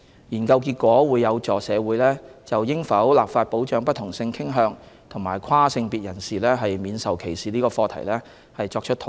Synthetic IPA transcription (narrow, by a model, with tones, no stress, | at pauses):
jiː˨˩nkɐ˧wk̬iː˧t̚kʷɔː˨˥wuː˨˧jːɐ˨˧wt͡sɔː˨sɛː˨˧wuː˨˥jlɛː˥t͡sɐ˨wjɪ˥ŋfɐ˨˥wlaː˨p̚faː˧t̚po˨˥wt͡ʃœː˨˥ŋpɐ˥t̪ʰʊ˨˩ŋsɪ˧ŋkʰɪ˥ŋɦœː˨˧ŋt̪ʰʊ˨˩ŋmaː˨˩jkʷʰwaː˥sɪ˧ŋpiː˨t̚jɐ˨˩nsiː˨˩lɛː˥ɦɐ˨jmiː˨˧nsɐ˨wkʰe˨˩jsiː˨liː˥kɔː˧fɔː˧t̪ʰɐ̰˨˩jlɛː˥ | hɐ˨jt͡sɔː˧k̚t͡ʃʰɵ˥t̪ʰ